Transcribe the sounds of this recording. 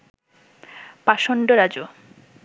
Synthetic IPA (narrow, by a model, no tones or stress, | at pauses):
paʃonɖoɾad͡ʑo